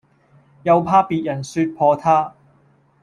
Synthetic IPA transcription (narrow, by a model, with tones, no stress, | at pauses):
jɐ˨˧wpʰaː˧piː˨˧t̚jɐ˨˩nsyː˧t̚pʰɔː˧t̪ʰaː˥